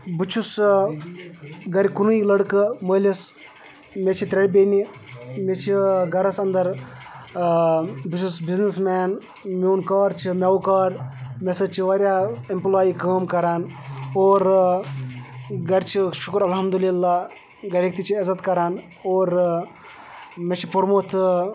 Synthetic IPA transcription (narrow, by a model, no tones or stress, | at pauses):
but͡ʃʰus | ɡɐɾikunuilɐɽkɨməːlʲis | met͡ʃʰit̪ɾeɽʲbeːni | met͡ʃʰiɡɐɾɐsɐnd̪ɐɾ | bit͡ʃʰusbiznismaːn | meːnkɐːɾt͡ʃʰimʲeʋukɐːɾmesɐt͡ʃʰiʋɐɾʲjaːimplaːjikəːmkɐɾaːnoːɾ | ɡɐɾt͡ʃʰiʃukɾɐlɦɐmd̪ulilːaː | ɡɐɾʲek̚t̪it͡ʃʰiezɐt̪kɐɾaːn | oːɾ | met͡ʃʰipɐɾmoːt̪ʰ